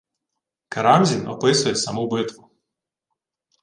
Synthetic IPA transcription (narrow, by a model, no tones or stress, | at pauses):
kɐɾɑmzʲinɔ̰pɪsʊjɛsɐmubɪt̪ʋʊ